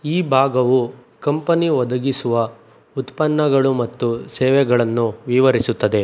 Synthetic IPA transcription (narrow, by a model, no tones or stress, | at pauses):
iːbʱaːɡɐʋu | kɐmpɐniʋɔd̪ɐɡisuʋɐ | ut̪pɐnːɐɡɐɭumɐt̪ːusɛːʋɛɡɐɭɐnːuʋiʋɐɾisut̪ːɐd̪e̞